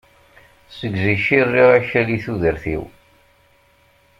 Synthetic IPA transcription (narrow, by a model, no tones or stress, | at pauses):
səɡziʃirːiʁæçæliθuðəɾθḭw